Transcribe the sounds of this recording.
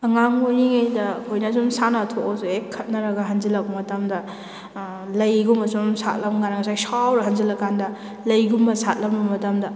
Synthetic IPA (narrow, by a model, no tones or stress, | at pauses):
ɐŋaŋojniŋajdɐkʰojnɐzumsanɐtʰokazuekʰːɐt̚nɐɾɐɡɐɦɐnzilɐk̚bɐmɐtɐmdɐ | lɐjɡumbɐzumsa̰t̚lɐmɡanɐŋɐsajsawɾɐɦɐnzilɐkandɐ | lɐjɡumbɐsat̚lɐmbɐmɐtamdɐ